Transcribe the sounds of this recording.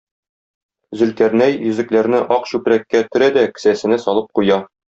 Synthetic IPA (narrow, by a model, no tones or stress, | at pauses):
zɵ̆lk̪æɾnæjjɵ̆zɘ̆klæɾnɘʔɒqɕʉpɾækːæt̪ɵ̆ɾæd̪ækɘ̥̆sæsɘ̆næsɒlˠɤp̚qujɑ